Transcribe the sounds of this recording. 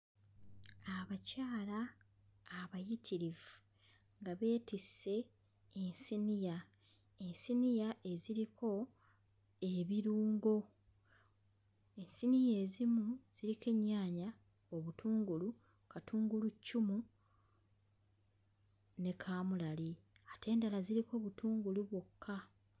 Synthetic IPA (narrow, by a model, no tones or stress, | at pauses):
aβacaːlaː | βajitʰiɾivu | ŋɡaβe̞ːtisːe̞ː | nsinija | ensinijaʔe̞ziɾikʰo̞ | e̞βiɾuːŋɡo̞ | e̞nsinije̞ːzimuz̥iɾikeɲːaːɲa | o̞βutʰuːŋɡulu | katʰuːŋɡulucːumu | ne̞kʰaːmulali | atʰe̞ːndalaziɾikʰo̞ːβutuːŋɡuluβwokʰːa